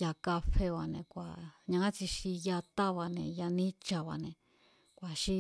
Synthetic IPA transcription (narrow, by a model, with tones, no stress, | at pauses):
ja˧ka˧fe˧βa˧˨nẽ˨kʷa̰˨ɲã˧ã˦t͡ʃi˧ʃi˧ja˧t̪a˦βa˧nẽ˨ja˧nĩ˦t͡ʃa˧βa̰˧nẽ˨ | kʷa˨ʃi˦